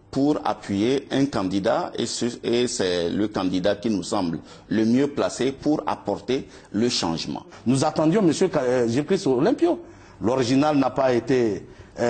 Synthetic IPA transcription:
puʁa̰pɥijeɛ̃kɑ̃d̪id̪aeesɛləkɑ̃d̪id̪akinusɑ̃bl | ləmjøplasepuʁa̰pɔʁt̪e | ləʃɑ̰̃ʒmɑ̰̃ | nuzat̪ɑ̃d̪jɔ̃məsjøʒikɾisolɛ̃pjo | loʁiʒinalnapaet̪e

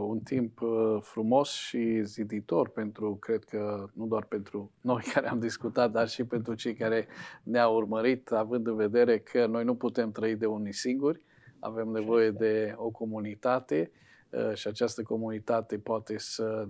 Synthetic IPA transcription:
unt̪impfɾumo̞sʃizid̪it̪o̞rpe̞nt̪ɾukɾe̞d̪̚kʰənud̪oarpe̞nt̪ɾuno̞jkʰaɾeamd̪iskut̪at̪̚d̪arʃipe̞nt̪ɾut͡ʃe̞jkaɾe̞neaurməɾit̪avɨnd̪ɨnve̞d̪e̞ɾe̞kʰəno̞jnuput̪e̞mt̪ɾəid̪e̞unisiŋɡurʲ | a̰ve̞mne̞vo̞je̞d̪e̞o̞ko̞munit̪at̪e̞ | ʃiat͡ʃast̪əko̞munit̪at̪e̞poat̪e̞sə

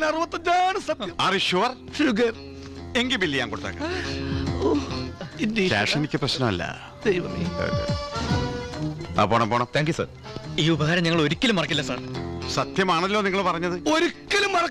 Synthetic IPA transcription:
nɐruʋɐt̪ːɐɲaːɳɨsɐt̪jɐmɐriɕuʋɐr | ʂuɡɐr | eŋɡibilːijaːŋkoɽut̪ːa̰ːkːɐ | oindeḛːʂenikʲːɨprɐɕnɐmɐ̰lːɐ̰ | d̪ejʋɐmḭo̰ | a̰poːɳɐmpoːɳɐmt̪ʰaːŋkjusɐ̰r | iːubɐɦaːɾɐmɲiŋːɐɭo̞ɾukʲːɐlumːɐrɐkːilːɐsɐ̰ːɳsɐt̪jɐmaːɳɐlːoːniŋːɐɭpɐrɐɲːɐðɨo̞ɾukʲːɐlumːɐrɐ

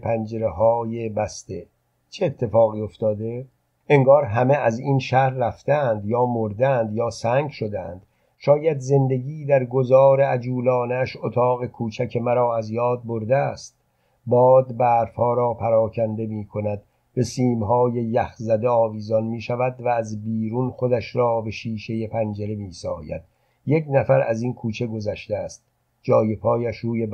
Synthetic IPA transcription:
pʰænd͡ʒeɾeɦɒːjebæst̪e | t͡ʃʰeːt̪ʰːe̞fɒːɣiːoft̪ɒːd̪e̞ | eŋɡɒːɾɦæmeæzinʃæhɾːæft̪æːnd̪jɒːmoɾd̪æænd̪jɒːsæːŋɡʃo̞d̪æ̰nd̪̥ | ʃɒːjæd̪ze̞nd̪e̞ɡiːd̪æɾɡo̞zɒːɾe̞æd͡ʒuːlɒːnæʃot̪ʰɒːɣe̞kʰuːt͡ʃʰækʰemæɾɒːæzjɒːd̪̚boɾd̪eæst̪̚ | bɒːd̪bæːɾfhɒːɾɒːpʰæɾɒːkʰænd̪e̞miːkʰo̞næd̪ | be̞siːmɦɒːje̞jæxzæd̪eɒːviːzɒnmiːʃævæd̪væːzbiːɾunχo̞d̪æʃɾɒːbe̞ʃiːʃe̞jepʰænd͡ʒeɾemiːsɒ̰ːjæ̰d̪̥̚ | je̞knæfæɾæzinkʰuːt͡ʃʰe̞ɡo̞zæʃt̪eæst̪̚ | d͡ʒɒːje̞pʰɒːjæʃɾuːje

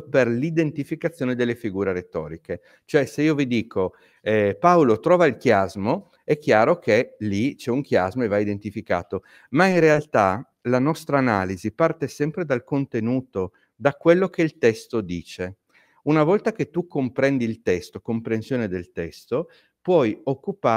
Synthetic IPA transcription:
perlid̪ent̪ifikat̪sjoːned̪elːefiɡuːɾeɾet̪ɔːɾike | t͡ʃoɛseiːovid̪iːkʰo | ɛpawlot̪ɾɔːvailkjazmo | ɛkːjaːɾokʰelit͡ʃɛuŋk̟jazmoevaid̪ent̪ifika̰ːt̪o | mainrealt̪a | lanɔst̪ɾaːnaːlizipart̪esɛmpɾed̪alkont̪enuːt̪o | d̪akwelːok̟eilt̪ɛst̪od̪iːt͡ʃe | unavɔlt̪aket̪ːukːompɾɛnd̪iːlt̪ɛst̪okompɾensjoːned̪elt̪ɛst̪o | pwɔjokːupa

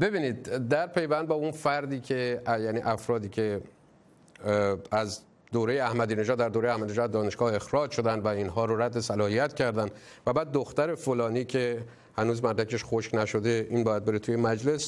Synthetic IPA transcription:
be̞biːniːd̪̚ːæɾpʰe̞jvænd̪̚bɒːunfæɾd̪iːcʲʰe̞jæːniːʔæfɾɒːd̪iːcʰe̞ | æz | d̪oːɾe̞jeæhmæd̪iːne̞ʒɒːd̪ːæɾd̪oːɾejæhmæd̪ineʒɒːd̪d̪ɒːne̞ʃɡ̥ɒːhe̞xɾɒːd͡ʒʃo̞d̪ænd̪væinɦɒːɾoɾæd̪ːe̞sælɒːhijæt̪ʰcʰæɾd̪ænd̪ | væbæːd̪̚ːoxt̪æɾe̞folɒːniːcʰe̞ | hænuːzmæɾɾækʰeʃxoʃknæʃo̞d̪e̞iːnbɒːjæd̪̚be̞ɾet̪ʰuːjemæd͡ʒle̞s

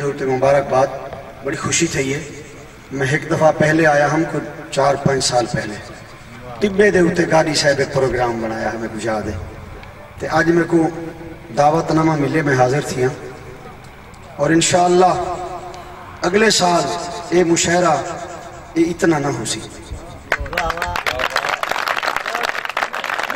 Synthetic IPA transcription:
eːʊt̪ːeːmʊbaːɾək̚baːd̪ | bəɽiːkʰʊʃiːt̪ʰəiːɛː | mɛ̃ːɦɪkd̪əfʰaːpɛɦleːaːjaːɦəmkot͡ʃaːɾpə̃ɲd͡ʒsaːlpɛːleː | t̪ɪbːeːd̪eːʊt̪ːeːɡaːɾiːsɛːbeːpɾoːɡɾaːmbəɽ̃aːjaːɦɛmɛ̃ːɡʊd͡ʒaːd̪eː | t̪eːʔəd͡ʒmɛ̃ːkoːd̪aːʋət̪namãːmɪleːmɛ̃ːɦaːzəɾt̪ʰijãː | ɔːɾɪnʃaːəlːaː | əɡleːsaːleːmʊʃaːɾaː | eːɪt̪nãːnaːɦoːsiː

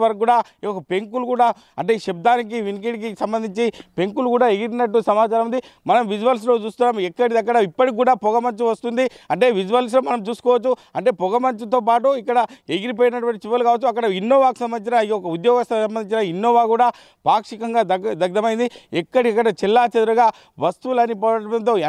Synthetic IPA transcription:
ɐɾɡuːɽaːiɔkɐpe̞ŋkulkuːɽaː | ɐ̰ɳʈe̞ːʃeb̚d̪aːnik̬iʋink̬iʈik̬isɐmbɐnd̪iɲt͡ʃipe̞ŋkulukuːɽaːeɡiɾinɐʈːusɐmaːt͡ʃaːɾɐmund̪i | mɐnɐmʋid͡ʒuʋɐls̬lo̞ːt͡ʃuːst̪unːaːmɛkːɐɽid̪ɐɡːɐɽɐipːɐʈik̬ːuːɽaːpɔɡɐmɐɲt͡ʃuʋɐst̪und̪iɐɳʈe̞ːʋid͡ʒuʋɐls̬lo̞ːmɐnɐmt͡ʃuːsu̥kɔːʋɐt͡ʃːuɐɳʈe̞ːpɔɡɐmɐɲt͡ʃut̪oːp̬aːʈuikːɐɽɐeɡiɾip̬oːjinɐʈuʋɐɳʈit͡ʃiʋɐlukaːʋɐt͡ʃːuɐkːɐɽɐinːoːʋaːku̥sɐmbɐniːt͡ʃinɐiɔkɐud̪jɔːɡɐst̪ɐsɐmbɐniɲt͡ʃinɐinːoːʋaːkuːɽaː | paːkʂikɐŋɡaːɐd̪ɐɡd̪ɐmɐjind̪iɛkːɐɽiɐkːɐɽɐt͡ʃilːaːt͡ʃɐd̪uɾɐɡaː | ʋɐst̪uʋulɐnipɔɐɐʈʋɐnt̪oː

